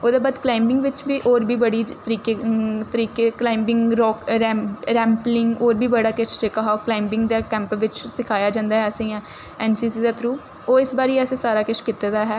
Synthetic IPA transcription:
oːd̪aːbaːd̪klaːɪmbɪŋɡʋɪt͡ʃbiːʔoːɾbiːbəɽiːt̪əɾiːket̪əɾiːkeːklaːɪmbɪ̃ŋɡɾɔːkɾɛɾɛ̃ːmplɪŋɡoːɾbʱiːbəɽaːkɪʃt͡ʃekːaɦaːoːklaːɪmbɪ̃ŋɡd̪aːkɛ̃ːmpʋɪt͡ʃsɪkʰaːjaːd͡ʒãːnd̪aːɦɛːəsẽːãː | ɛːnsiːsiːd̪aːt̪ʰɾuː | oːɪsbaːɾiːɛːsẽːsaːɾaːkɪʃkɪt̪eːd̪aːɦɛː

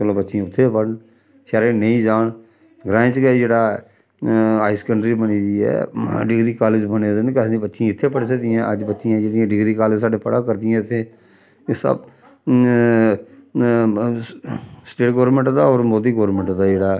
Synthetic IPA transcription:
kəlõːbətːʃiãʊt̪ʰːeːpəɽɳ | ʃɛːɾeːnəĩːd͡ʒaːɳ | ɡɾãːt͡ʃkɛd͡ʒeːɽaː | aːɪskəɳɖɾibəniːd̪iːɛ̰ːɖɪɡɾiːkaːlɪd͡ʒbəneːd̪ɪnkɛd̪ibətːʃãːɪt̪ʰːeːpəɽsəkd̪ɪjãːʔəd͡ʒbətːʃɪjãːd͡ʒeːɽijãːɖɪɡɾiːkaːlɪd͡ʒsaːɖeːpəɽaːkəɾd̪ɪjãːɪt̪ʰːeː | sə̰b | sʈeːʈɡoːɾmẽɳʈd̪aːɔːɾmoːd̪iːɡoːɾmə̃ɳʈd̪aːd͡ʒeːɽaː

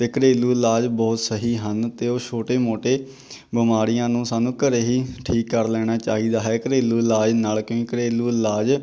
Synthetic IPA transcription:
t̪eːkəɾeːluːlaːd͡ʒbɔːt̪səɦiːɦənt̪eːoːt͡ʃʰoːʈeːmoːʈeː | bəmaːɾɪjãːnũːsaːnũːkəɾeːɦiːʈʰiːkːəɾlɛːɽ̃aːt͡ʃa̰ːɦiːd̪aːɦɛːkəɾeːluːlaːd͡ʒnaːlkjõːkikəɾeːluːlaːd͡ʒ

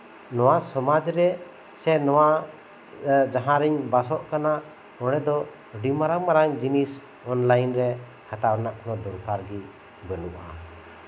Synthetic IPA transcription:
nɔwasɔmad͡ʒɾɛ | sɛnɔwa | d͡ʒaɦãɾɛɲbasɔʔkana | ɔɽɛd̪ɔ | ɖimaɾaŋmaɾaŋd͡ʒinis | ɔnlajnɾɛ | hat̪aɾnaʔnɔd̪ɔɾkaɾɡɛ | bənuʔa̰

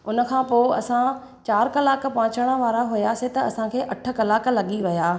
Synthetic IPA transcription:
ʊnə̆kʰãːpoːɐ̰sã | t͡ɕaːɾkɐlaːkpɐʋɪ̃t͡ɕəɽ̃ə̆ʋaːɾaɦʊjasẽt̪ɐɐsãkʰeːʔɐʈʰə̆kɐlaːklɐɠiʋɐjaː

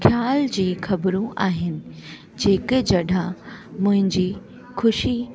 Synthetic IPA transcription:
xʰjaːld͡ʑiːxɐbɾũʔa̰ːɦɪnɪ̆ | d͡ʑeːked͡ʑɐɗʱamʊ̃ɦɪ̃ɲd͡ʑiː | xʊʃi

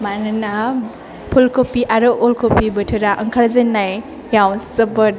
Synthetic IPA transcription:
manɯna | pʰulkopiʔaɾɯʔolkopibətʰɯɾaʔəŋkʰaɾzenːaj | jawsəbə

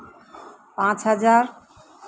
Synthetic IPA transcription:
pãt͡ɕɦad͡ʑaɾ

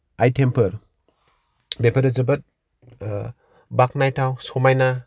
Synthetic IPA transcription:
ajtʰempʰəɾ | bepʰɐɾɐzɐbɐt̚ | bak̚najtʰawsɔmajna

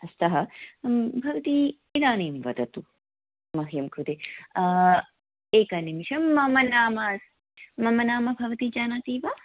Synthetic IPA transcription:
ɐst̪ɐɦɐ | bʱɐʋɐt̪i | iɾaːneːmʋɐd̪ɐt̪u | mɐɦjɐmkʰud̪eː | eːkɐnimiʃɐmːɐmɐnaːmas | mɐmɐnaːmɐbʱɐʋɐt̪id͡ʒaːnaːt̪iːʋa

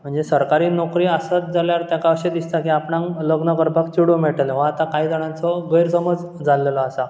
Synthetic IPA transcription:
m̤əɳd͡zesəɾkaɾiːnɔkɾiːasat̪̚d͡zaljaɾt̪jakaəɕed̪ist̪akiapnãŋləɡnəkəɾbʱakt͡ɕuɽomeʈəleʋə̃at̪akaiːd̪əɽ̃ãnt͡sɔɡəjɾsəməd͡z | d͡zʱalelɔasa

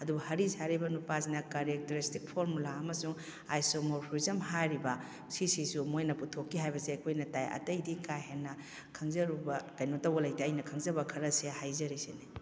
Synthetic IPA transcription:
ɐdubɐhɐɾisaɾibɐnupasinɐkɐɾek̚teɾistik̚pʰoɾmulaɐmɐsuŋ | ajsomoɾpʰoɾizɐmɦajɾibɐ | sisisumojnɐputʰokːiɦajbɐseɐkʰojnɐtajɐ̰tɐjdikajɦenːɐ | kʰɐŋzɐɾubɐkɐjnotɐwbɐlɐjteɐjnɐkʰɐŋzɐbɐkʰɐɾɐsehajzɐɾisene

